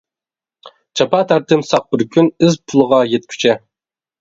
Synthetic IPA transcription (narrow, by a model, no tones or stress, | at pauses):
t͡ʃʰɑpɑt̪ʰæɾt̪ʰɪmsɑq̚bɪɾkʲʰynɪzpʰulˠəʁɑjet̪̚kʲʰy̥t͡ʃʰɛ